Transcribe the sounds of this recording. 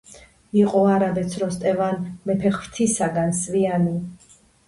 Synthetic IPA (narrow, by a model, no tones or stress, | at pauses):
iqʼɔaɾabɛt̪sʰɾɔst̪ʼɛvanmɛpʰɛχvt̪ʰisaɡansviani